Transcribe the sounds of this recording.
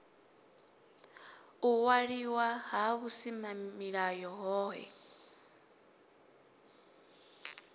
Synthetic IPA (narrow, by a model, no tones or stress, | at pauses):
uwaɺiwaɦaβusimamiɺajɔɦɔːɦɛ̰